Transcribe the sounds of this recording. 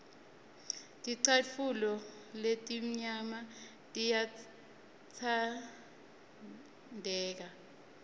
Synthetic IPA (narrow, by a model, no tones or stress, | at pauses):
tʼiǀafulɔletʼim̩ɲama | tʼija | t͡sʰa | ndʱɛːk̬a